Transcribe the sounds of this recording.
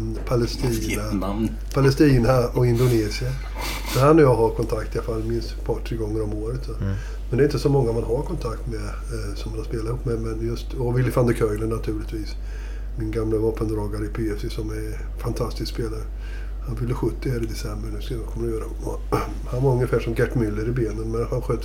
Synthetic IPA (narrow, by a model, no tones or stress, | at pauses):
pʰalɛst̪iːna | pʰalɛst̪iːnaɔɪnd̪ʊneːsɪa | sɔɾhanːɔjɑːɡɦaɾkʰɔnt̪ʰakt̪ɪalfalːmɪnspʰɑːʈʰɾeːɡɔŋːəɾɔmoːɾət̪sɔ | mɛnd̪ɛɾɪnt̪əsɔmɔŋːamanɦaɾkʰɔnt̪ʰakt̪mɛ | sɔmhanhaɾspeːlat̪ɪhuːpːmɛmɛnjɵst̪ɔvɪlːɪfand̪əkʰœʏlənat̪ʰʉ̟ːlɪt̪viːs | mɪnɡamlavɑːpənd̪ɾɑːɡaɾəɪpʰeːɛsɪsɔmɛɾ | fant̪ʰast̪ɪskspeːlaɾə | hanvɪlːəɧɵt̪ːɪhæːɾɪd̪ɛsɛmbəɾnʉ̟ːskad̪ɔkʰɔmːnɾajøːɾad̪ɔmɔ̰ | hanvaɾɵŋjəfæːʂɔmɡɛʈːmʏlːəɾɪbeːnənmɛnhanɧøːt̪